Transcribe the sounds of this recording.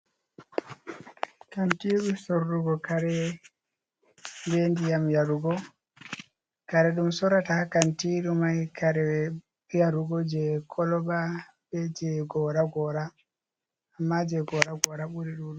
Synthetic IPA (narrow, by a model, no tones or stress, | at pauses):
kantiːɗusɔɾːuɡɔkaɾɛ | bɛndijamjaɾuɡɔ | kaɾɛɗumsɔɾatakantiːɾumajkʰaɾɛɛ | jaɾuɡɔd͡ʒɛkʰɔlɔɓa | bɛd͡ʒɛɡɔɾaɡɔɾaː | mːad͡ʒɛɡɔɾaɡɔɾaɓuɾɛɗumɗ